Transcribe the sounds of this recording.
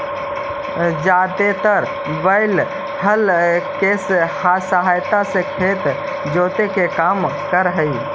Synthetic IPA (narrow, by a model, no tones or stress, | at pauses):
d͡ʒaːd̪et̪əɾ | bəɪl | həlkeshasəɦajt̪asekʰeːt̪ | d͡ʒoːt̪ekekaːmkəɾɦəi